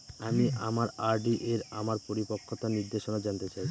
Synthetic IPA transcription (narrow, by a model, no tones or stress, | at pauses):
amiʔamaɾaɾɖiʔeɾamaɾpoɾipokʰːot̪aniɾd̪eʃonad͡ʑant̪et͡ɕaj